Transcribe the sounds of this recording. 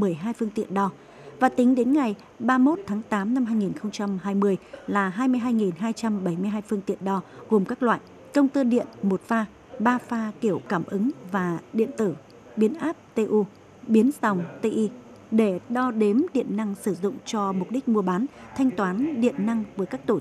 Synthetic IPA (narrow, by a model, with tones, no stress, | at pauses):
mɨ˨˧˩əjɦaː˧jfɨ˧əŋt̪ḭ˧˨ənɗɔ˧ | vaː˨˩t̪ï˨˦ŋ̟ɗe˨˦nŋa˨˩j | ɓaː˧mo˦˥t̚t̪ʰaː˨˦ŋt̪aː˨˦mna˧mɦaː˧jŋi˨˩nxə˧wŋ͡mt͡ɕa˧mɦaː˧jmɨ˧əjlaː˨˩ɦaː˧jmɨ˧əjɦaː˧jŋi˨˩nɦaː˧jt͡ɕa˧mɓə˧˩jmɨ˧əjɦaː˧jfɨ˧əŋt̪ḭ˧˨ənɗɔ˧ɣo˨˩mkaː˦˥k̚lwa̰ː˧˨j | kə˧wŋ͡mt̪ɨː˧ɗḭ˧˨ənmo˨˩t̚faː˧ | ɓaː˧faː˧ki˧˩əwkaː˧˩mʔɨ˨˦ŋvaː˨˩ɗḭ˧˨ənt̪ɨ˧˩ | ɓi˨˦ənʔaː˦˥p̚t̪e˧ʔu˧ | ɓi˨˦ənsa˨˩wŋ͡mt̪e˧ʔi˧ | ɗe˧˩ɗɔ˧ɗe˨˦mɗḭ˧˨ənːa˧ŋsɨ˧˩zʊ̰˧˨ŋ͡mt͡ɕɔ˧mʊ˨˩k͡p̚ɗi˦˥k̟̚mu˧əɓaː˨˦nt̪ʰa˧jŋ̟t̪waː˨˦nɗḭ˧˨ənːa˧ŋvə˨˦jkaː˦˥k̚t̪o˧˩